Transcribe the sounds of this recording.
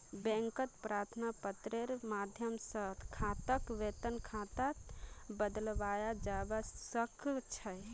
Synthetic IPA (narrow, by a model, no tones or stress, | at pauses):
bɛ̃ŋkət̪pɾaɾt̪ʰnapət̪ɾeɾmad̪ʱjəmsəkʰãt̪əkʋet̪ənkʰãt̪abəd̪əlʋajad͡ʒabasəkʰt͡ʃʰəj